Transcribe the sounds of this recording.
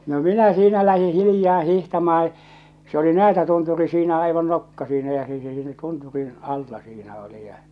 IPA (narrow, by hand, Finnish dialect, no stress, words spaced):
no minæ siːnæ læhi hilĭjɑː hihtɑmɑː se oli næːtætunturi siːnæ ɑiʋɑn nokːɑ siːnæ jɑ se se siːnæ tunturin ɑlːɑ siːnæ oli jɑ